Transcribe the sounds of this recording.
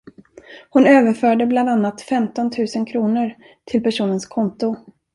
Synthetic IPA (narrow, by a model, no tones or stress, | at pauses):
hʊnøːvəɾfœːɖəbland̪anːat̪fɛmt̪ɔnt̪ʰʉ̟ːsənkʰɾuːnəɾ | t̪ʰɪlpæʂuːnənskʰɔnt̪ʊ